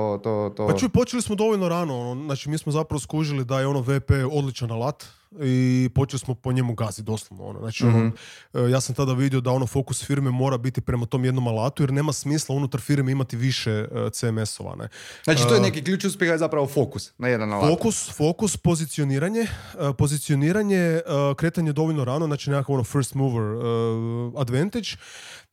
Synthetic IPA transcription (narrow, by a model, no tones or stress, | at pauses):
ot̪ot̪opat͡ʃuipo̞t͡ʃelismo̞d̪o̞ʋo̞lno̞ɾaːnoonoznaːt͡ʃimiːsmozapɾaʋoskɾuːʒilid̪ajeo̞no̞ʋepeo̞d̪lit͡ʃanːalˠat̪ | ipo̞t͡ʃelismo̞po̞ɲe̞muɡazid̪o̞slˠoʋnoo̰noznaːt͡ʃionojaːsamt̪ad̪aʋid̪io̞d̪ao̞no̞fo̞kusfiɾmemo̞ːɾabit̪ipɾe̞mat̪o̞ːmjed̪no̞malˠaːt̪ujeɾne̞ːmasmiːslˠaunut̪aɾfiɾmeimat̪iʋiʃet̪seme̞so̰ʋa̰nḛzat͡ʃit̪ojenekiklʎuːt͡ʃiuspʲjexazapɾaʋofokusnajed̪analfokusfo̞kuspo̞zit̪sio̞niːɾaɲe̞ | po̞zit̪sio̞niːɾaɲeəkɾe̞ːt̪aɲed̪o̞ʋoʎnoɾaːnoznat͡ʃinekakaʋo̞nofeɾst̪muʋɾəad̪ʋe̞nt̪ed͡ʒ